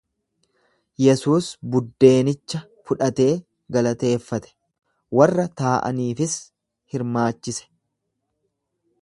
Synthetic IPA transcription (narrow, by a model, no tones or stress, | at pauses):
jɛsuːsbʊd̪ːe̞ːnɪt͡ʃːɐ | fʊᶑɐt̪e̞ː | ɡɐlɐt̪e̞ːfːɐt̪ɛ̥ | wɐrːɐt̪aːʔɐ̰niːfɪs | hɪɾmaːt͡ʃːɪsɛ̥